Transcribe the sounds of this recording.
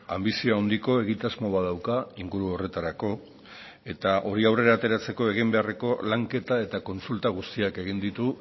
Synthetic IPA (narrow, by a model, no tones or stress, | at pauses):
ambisio̞awnd̪iko̞e̞ɣ̞it̪azmo̞βað̞awkaiŋɡuɾuo̞re̞t̪aɾako̞ | e̞t̪aʔo̞ɾiawre̞ɾaːt̪e̞ɾat͡se̞ko̞e̞ɣ̞imbe̞are̞ko̞laŋke̞t̪ae̞t̪ako̞nsult̪aɣ̞ust̪iake̞ɣ̞ind̪it̪u